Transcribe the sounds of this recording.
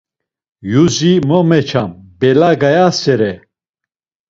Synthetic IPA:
juzimɔmɛt͡ʃʰambɛlaɡajasɛɾɛ

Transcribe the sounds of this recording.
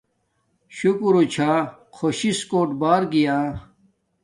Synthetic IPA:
ɕukuɾut͡ɕʰaːkʰoɕiskoːʈbaːɾɡijaː

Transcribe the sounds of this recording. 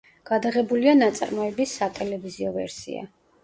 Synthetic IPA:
ɡ̥ad̪aʁɛbulianat̪sʼa̰ɾmɔɛbisːat̪ʼɛlɛviziɔvɛ̰ɾsḭa̰

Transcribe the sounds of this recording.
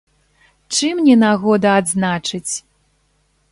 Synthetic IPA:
t͡ʂɨmnʲɛnaɣɔd̪ɐːd̪znat͡ʂɨt͡sʲ

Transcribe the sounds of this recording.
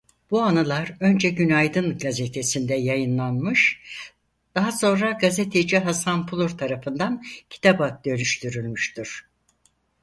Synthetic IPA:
b̥uanɯlˠaɾø̞nd͡ʒɛɟynajd̪ɯnɡazet̪ʰesind̪ɛjajɯnlˠanmɯʃ | d̪̥aɦaso̞nɾaɡazet̪ʰed͡ʒiɦasanpʰulˠuɾt̪ʰaɾafɯnd̪ancʰi̥t̪ʰabak̪̚d̪ø̞lyʃt̪ʰyɾylʲmyʃt̪ʰiɾ̥

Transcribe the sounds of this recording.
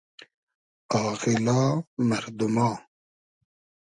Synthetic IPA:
ɑːqilaːmɐɾd̪umaː

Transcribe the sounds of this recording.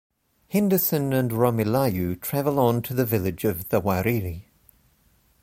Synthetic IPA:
hɪ̃ndəsə̃nə̃nɹɑmɪlajʉtʰɹ̥ævəlˠə̃ntʰəðəvɪlˠɪd͡ʒəvðəwaɹili

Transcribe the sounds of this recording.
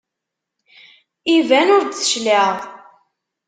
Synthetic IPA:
ivænʊɾd̪θə̥ʃləʁ

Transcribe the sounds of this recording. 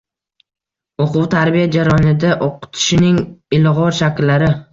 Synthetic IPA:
oqʰʊwt̪ʰaɾbijad͡ʒaɾɒnɪd̪aʔoqɨ̥t̪ʰɪ̥ʃɪnɪŋɪlʁɒɾʃakʲlːaɾɪ

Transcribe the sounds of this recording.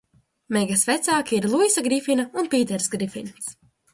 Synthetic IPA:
mɛɡasvɛt̪saːkʲiiɾlˠuisaɡɾifinaunpiːt̪̬ɛɾsɡɾifḭns

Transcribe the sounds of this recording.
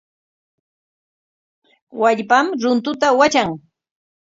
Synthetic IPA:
waʎpamɾʊnt̪ʊt̪awat͡ʃaŋ

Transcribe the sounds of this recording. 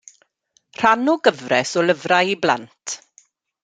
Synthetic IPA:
r̥anʊɡəvrɛsɔləvrajibla̰ntʰ

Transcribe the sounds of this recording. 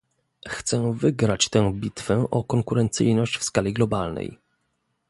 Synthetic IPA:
xt̪sɛvɘɡɾat͡ɕt̪ɛ̃bʲit̪fɛʔɔkɔŋkuɾɛnt̪sɘ̰jnɔɕt͡ɕfskalʲiɡlɔbalnɛ̰j

